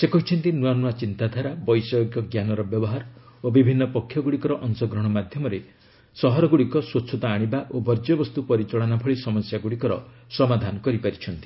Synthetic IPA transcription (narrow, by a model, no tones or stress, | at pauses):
sekɔɦit͡ʃʰɔnt̪inuanuat͡ʃint̪ad̪ʱaɾabɔjsɔjɡjɔɡjanɔɾɔbjɔbɔɦaɾobibʱinːɔpɔkʰːjɔɡuɽikɔɾɔʔɔnsɔɡɾɔɽ̃ɔmad̪ʱjɔmɔɾe | sɔɦɔɾɔɡuɽikɔswotːt͡ʃʰɔt̪aːɽ̃ibaʔobɔɾd͡ʒɔbɔst̪upɔɾit͡ʃɔɭɔnapʰɔɭisɔmɔsjaɡuɽikɔɾɔsɔmad̪ʱanɔkɔɾipaɾit͡ʃʰɔnt̪i̥